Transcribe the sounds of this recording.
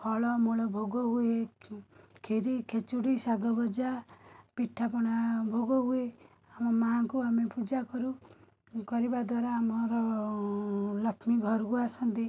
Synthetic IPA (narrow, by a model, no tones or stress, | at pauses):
pʰɔɭɔmoɭɔbʱoɡɔɦue | kʰeɾikʰet͡ʃuɽisaɡɔbɔd͡ʒapiʈʰːapɔɽ̃abʱoɡɔɦue | amɔmaɦakuamepud͡ʒakɔɾu | kɔɾibad̪waɾaːmɔɾɔ | lɔkʰmiɡʱɔɾkuasɔnt̪i